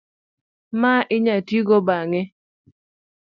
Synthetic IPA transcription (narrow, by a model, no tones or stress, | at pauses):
maʔɪɲatiɡɔbaŋe